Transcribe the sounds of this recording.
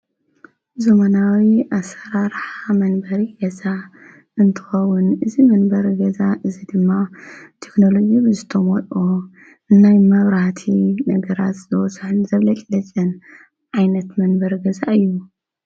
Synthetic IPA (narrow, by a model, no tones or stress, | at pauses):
zɐmɐnawiʔasɐɾaɾħamɐnbɐɾieza | ɨnt̪ʰɨ̥xɐwːʊnɨzimɐnbɐɾɡɐzaʔɨzid̪ɨmːat̪ʰekno̞lo̞ɡibɨzɨt̪ʰɐmɔt̪ʼo | nːajmɐβɾaht̪ʰinɐɡɐɾat̪z̥ɨwɔsħɨnzɐβlɐkʼilɐt͡ʃʼɐn | ʕajnɐt̪mɐnbɐɾɡɐza̰ʔɨjːu